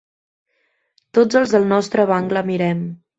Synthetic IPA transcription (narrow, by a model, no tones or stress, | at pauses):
t̪od͡zəlˠzðəlˠnɔst̪ɾəβaŋɡləmiɾɛm